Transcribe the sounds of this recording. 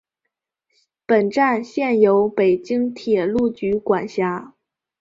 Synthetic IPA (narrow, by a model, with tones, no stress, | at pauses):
pə˨˩nʈ͡ʂa˥˩nɕjɛ˥˩njo˧˥ʊpe˨˩ɪt͡ɕi˥ŋt̪ʰjɛ˨˩lu˥˩t͡ɕy˧˥kwa˨˩nɕja˧˥